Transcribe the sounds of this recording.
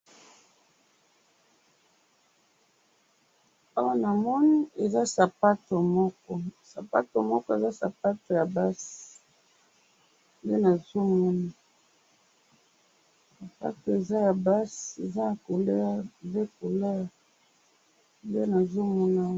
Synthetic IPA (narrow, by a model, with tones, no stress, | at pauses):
a˦wa˦na˨mɔ˦ni˦e˨za˦sa˨pa˦to˨mɔ˦kɔ˦sa˨pa̰˦to˨mɔ˦kɔ˦e˨za˦sa˨pa˦to˨ja˨ba˦s | nde˦na˨zo˦mɔ˦na˦ | sa˨pa̰˦to˨e˨za˦ja˨ba˦se˨za˦ja˨ko˨le˦a˦de˦ko˨le˦˨ | de˦na˨zo˦mɔ˦na˦